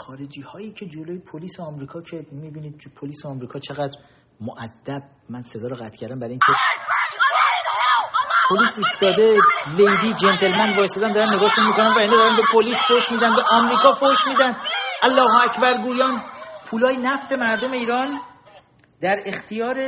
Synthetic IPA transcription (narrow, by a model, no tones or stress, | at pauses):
xɒːɾed͡ʒiːhɒːjiːcʰe̞d͡ʒolojepʰoliːseɒmɾiːkʰɒːcʰe̞mibiːniːd̪̚pʰoliːseɒmɾiːkʰɒːt͡ʃʰe̞ɣæd̪ɾ | moʔæd̪̥ːæb̥̚ | mænsed̪ɒːɾɔɣæt̪̚ʰcʰæɾd̪æmbæɾiŋcʰe̞ | pʰoliːsiːst̪ɒːd̪e̞lejd̪iːd͡ʒent̪ʰe̞lmænd̪vɒːjest̪ɔːd̪ænd̪ɒɾænːeɡɒst̪uʃmikonænvæined̪ɒɾænbe̞pʰoliːsfoʃmiːd̪ænbæʔɒːmɾiːkʰɒːfoʃmiːd̪ænʔælːɒːhoæcʰbæɾɡuːjɒːnpʰuːlɒːjenæft̪e̞mæɾd̪ome̞iːɾɒːn | d̪̥æɾe̞xt̪ʰijɒːɾe